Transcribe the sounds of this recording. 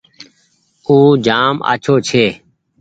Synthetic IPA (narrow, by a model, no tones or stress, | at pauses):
uːd͡ʒaːma̰ːt͡ʃʰoːt͡ʃʰeː